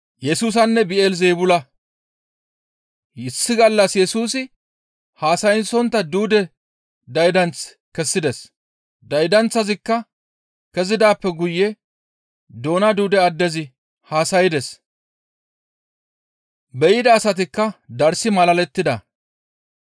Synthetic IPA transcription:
jɛsuːs̬ɐnːɛbɪeːlzeːbʊlɐ | ɪsːɪɡɐlːɐsjɛsuːsɪ | haːsɐjɪnsɔnt̪ːɐd̪uːd̪ɛ | d̪ɐjd̪ɐnt͡s | kɛsːɪd̪ɛs | d̪ɐjd̪ɐnt͡sːɐzɪkːɐ | kɛzɪd̪aːpːɛɡʊjːɛ | d̪o̞ːnɐd̪uːd̪ɛɐd̪ːɛzɪ | haːsɐjɪd̪ɛs | bɛjɪd̪ɐːsɐt̪ɪkːɐd̪ɐɾsɪmɐlɐlɛt̪ːɪd̪ɐ

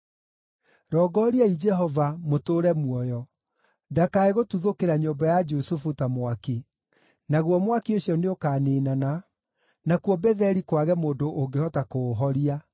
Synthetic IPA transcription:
ɾɔːɡɔɾiaid͡ʒɛɦɔvamotoːɾɛmwɔjɔ | dakaeɣotuðokeɾaɲoːmbajad͡ʒusufutamwake | naɣwɔmwakioɕjɔneokaːneːnana | nakwɔbɛðɛɾikwaɣɛmoːndoʔːŋɡehɔtakoɦɔɾia

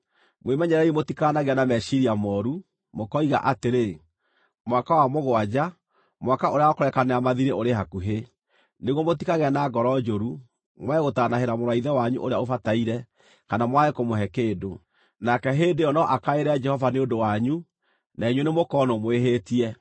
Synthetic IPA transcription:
mwemɛɲɛɾɛimotikanaɣeanamɛʃiɾiamɔɾu | mokɔiɣa̰ʔateɾe | mwakawamoɣoad͡ʒa | mwakaoɾeaɔkoɾɛkaneamaðiɾeʔoɾeɦakuɦe | neɣwɔmot̬ikaɣɛnaɡɔɾɔd͡ʒoɾu | mwɛɣotanaheɾamoɾaiðɛwaɲṵʔoɾeaofataiɾɛ | kanamwaekomoɦɛkeːdo | nakɛɦeːndejɔnɔʔakaeɾɛd͡ʒɛhɔvaneodowaɲu | naiɲwenemokɔnɔmoeɦetiɛ

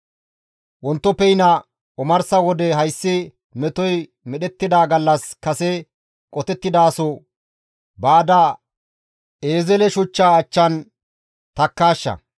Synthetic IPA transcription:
wɔnt̪ːɔpːɛjnɐ | ɔmɐɾsɐwɔd̪ɛɦɐjsːɪ | mɛt̪ɔj | mɛɗɛt̪ːɪd̪aːɡɐlːɐskɐsɛ | kʼɔt̪ɛt̪ːɪd̪aːsɔ | baːd̪ɐ | eːzɛlɛʃʊt͡ʃːaːt͡ʃːɐn | t̪ɐkːaːʃːɐ̰

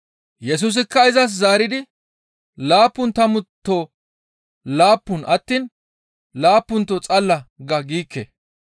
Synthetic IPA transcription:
jɛs̬uːs̬ɪkːɐɪzɐs̬zaːɾɪd̪ɪ | laːpːʊnt̪ɐmʊt̪ːoː | laːpːʊnʔɐt̪ːiːn | laːpːʊnt̪ːɔt͡sʼɐlːɐɡɐɡiːkːḛ

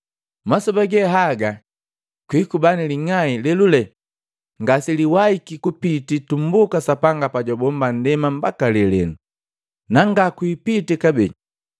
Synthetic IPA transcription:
masɔbaɡɛɦaɡa | kwiːkubaniliŋailɛlulɛ | ŋɡasiliwaikikupititum̩bukasapaŋɡapaɟɔbɔmban̩dɛmam̩bakalɛlɛnu | naŋɡakwipitikabɛ

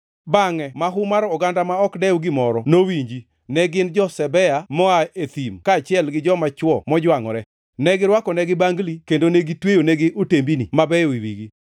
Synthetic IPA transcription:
baŋɛmaɦʊmaɾɔɡandamaɔkdɛuɡɪmɔɾɔnowiɲd͡ʒi | nɛɡɪnd͡ʒɔsɛbɛamɔaet̪imkaːt͡ʃɪɛlɡɪd͡ʒɔmat͡ʃwɔmɔd͡ʒwaŋɔ̰ɾɛ | nɛɡɪɾwakɔnɛɡɪbaŋɡlikendoneɡitwejoneɡɪʔotembinimabɛɔiwiɡi

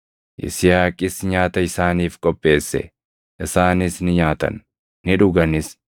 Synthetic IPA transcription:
ʔɪ̰sɪjaːkʼɪsɲaːt̪ɐɪsaːniːfkʼɔpʼːe̞ːsːɛ̰ | ʔɪsaːnɪsnɪɲaːt̪ɐ̰nː | ɪᶑʊɡɐnɪs

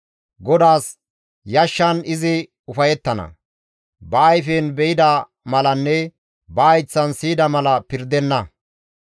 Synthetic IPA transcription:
ɡɔd̪aːs | jɐʃːɐnɪzɪ | ʊfɐjɛt̪ːɐnɐ̰ | bɐːjfeːnbɛɪd̪ɐ | mɐlɐnːɛ | bɐːjt͡sːɐnsiːd̪ɐmɐlɐpɪɾd̪ɛnːɐ

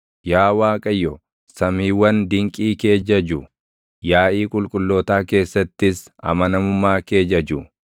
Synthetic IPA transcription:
jaːwaːkʼɐjːɔ | sɐmiːwɐnd̪ɪŋkʼiːke̞ːd͡ʒɐd͡ʒʊ | jaːʔiːkʼʊlkʼʊlːoːt̪aːke̞ːsːɐt̪ːɪs | ɐ̰mɐnɐmʊmːaːke̞ːd͡ʒɐd͡ʒʊ

